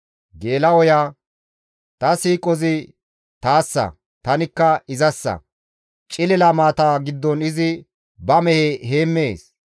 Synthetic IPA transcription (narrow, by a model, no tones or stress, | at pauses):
ɡe̞ːlɐwɔjaː | t̪ɐsiːkʼɔzɪ | t̪aːsːɐ̰ | t̪ɐnɪkːɐɪzɐsːɐ̰ | t͡ʃʼɪlɛlɐmaːt̪aːɡɪd̪ːɔnɪzɪ | bɐmɛheɦe̞ːmːeːs